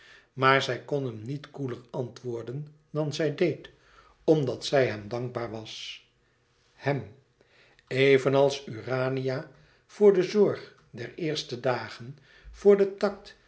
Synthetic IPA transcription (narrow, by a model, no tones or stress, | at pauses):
maːɹzɛjkɔnɦəmnitkuləɹɑntʋoːɹdən | dɑnzɛjdejt | ɔmdɑtsɛjɦɛmdɑŋɡ̚baːɹʋɑs | hɛm | ejvənɑlˠsyːraːnija | v̥ʊːɹdəzɔɹχ | dɛɹɪːɹstədaːχən | v̥ʊːɹdətɑk̚t